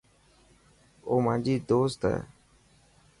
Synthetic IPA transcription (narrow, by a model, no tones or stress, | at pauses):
oːmãːd͡ʒiːd̪oːst̪ɛ̰ː